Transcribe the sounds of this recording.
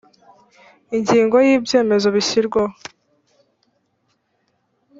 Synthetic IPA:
iɲɟiːŋɡo̞jiːbje̞ːme̞zo̞βiɕiɾɡwa

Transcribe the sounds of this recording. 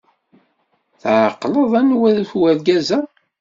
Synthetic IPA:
θʕqːləðˤænwæðæθwæɾɡæzæ

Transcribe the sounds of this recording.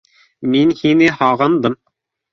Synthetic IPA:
minhinɘhɑʁɤ̆nd̪ɤm

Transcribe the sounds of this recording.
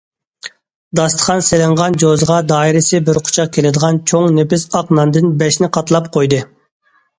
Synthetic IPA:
d̪ɑst̪ʰə̥χʰɑnselɪɴʁɑnd͡ʒozʁɑd̪ɑːiɾɪsɪbɪɾqʰʊ̥t͡ʃʰɑq̚kʲʰelɪd̪əʁɑnt͡ʃʰoŋnepɪsɑqnɑnd̪ɨnbɛʃnɪqʰɑt̪lˠɑp̚qʰojd̪ɨ

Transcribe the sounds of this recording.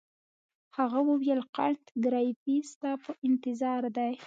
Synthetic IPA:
haɣawəwjəlqaɳt̪ɡɾɑjfist̪ɑpəʔɪnt̪ɪzɑɾd̪aj

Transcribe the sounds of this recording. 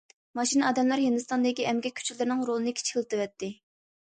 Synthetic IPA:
mɑʃinɑːd̪ɛmlˠæɾjenɨst̪ɑnd̪ɪkʲiɛmɡʲɛkʲʰy̥t͡ʃʰilɪɾɪnɪŋɾolˠɨnɨkʲʰt͡ʃʰkʲilˠt̪ʰɨvɛt̪ʰːɪ

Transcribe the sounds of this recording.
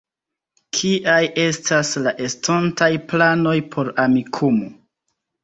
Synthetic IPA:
kʰiʔaje̞staslaʔe̞stontajplano̞jpʰo̞ɾamikʰumo

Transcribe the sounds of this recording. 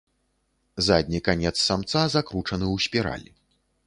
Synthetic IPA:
zad̪ʲnʲikanʲɛt̪sːamt̪sazakɾut͡ʂɐnɨwsʲpʲɛɾa̰lʲi

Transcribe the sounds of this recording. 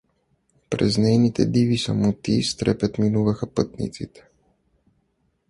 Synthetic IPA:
pɾɛ̰znɛjnit̪ɛ̰d̪ivisa̰mut̪ist̪ɾɛpɛt̪minuvɐxapɤt̪nḭt̪sḭt̪ɛ̥

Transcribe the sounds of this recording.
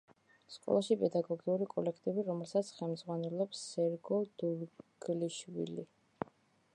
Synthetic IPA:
skʼɔ̰lˠaʃipʼɛd̪aɡɔɡiuɾikʼɔlɛkʰt̪ʼɛbiɾɔmɛlˠsat̪sʰχɛlmd̪z̥ʁwanɛlˠɔpsːɛɾɡɔd̪̥uɾɡ̥liʃwḭli

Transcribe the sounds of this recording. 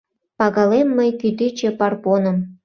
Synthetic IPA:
pɑɣɑlemːəjkyt̪it͡ɕĕpɑrponəm

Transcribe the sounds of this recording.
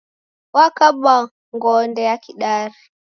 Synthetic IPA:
wakaɓa | ŋɡɔndɛjakiɗaɾi

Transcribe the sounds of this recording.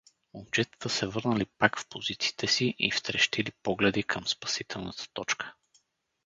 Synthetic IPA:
od͡ʒɛt̪ə̥t̪əsɛvɤɾnəlipakfpozit̪si̥ːt̪ʰɛsiʔḭft̪ɾɛʃt̪ilipɔɡlɛd̪ikʰəmspɐ̥sit̪ʰɛlˠnət̪ə̥t̪ɔt͡ʃkʰə̥

